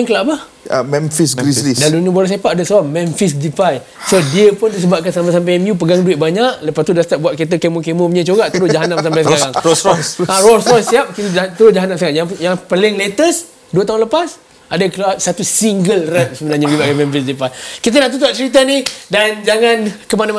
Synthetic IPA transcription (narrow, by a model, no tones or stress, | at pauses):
ŋkəlabah | mɛ̃nfisɡɾisidalunũbaɾas̬epaʔadəsəbaʔmɛnfis̬difaj | sodiəpʊndis̬əbap̚kansampasamp̬ajɛmjup̬əɡaŋduwɪʔ̪̚baɲaʔləpast̪udast̪aʔ̚buaʔket̪̬əkemokemɔmɲət͡ʃoɡaʔt̪əɾʊsd͡ʒaɦanamsampajs̬əkaɾaŋɔsarɔsɔsiap̚kit̪ət̪əɾʊsd͡ʒaɦanamsəkaɾaŋjajaŋpəlɪŋlet̪əs | duət̪aunləpas | adəkluasat̪usiŋɡəlrət̚səbənarɲabibaʔkamɛmfisdifajkit̪̬ənaʔt̪ut̪uaʔ̚t͡ʃəɾit̪̬anihdand͡ʒaŋãnkəmanama